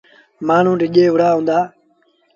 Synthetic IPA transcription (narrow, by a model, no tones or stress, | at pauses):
maːɳ̤ũːɖɪʄeːɦʊɽaːɦũːnd̪aː